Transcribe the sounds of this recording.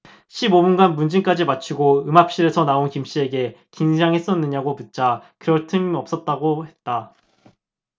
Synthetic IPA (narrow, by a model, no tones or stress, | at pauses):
ɕʰibobunɡanmund͡ʑiŋk͈ad͡ʑimat͡ɕʰiɡoɯmɦap̚ɕ͈iɾe̞sʰʌnaonkimɕ͈ie̞ɡe̞kind͡ʑʰaŋɦe̞s͈ʌnːɯɲaɡoput̚t͡ɕ͈akɯɾʌɭtʰɯmʌp̚s͈ʌt̚t͈aɡohe̞t̚t͈a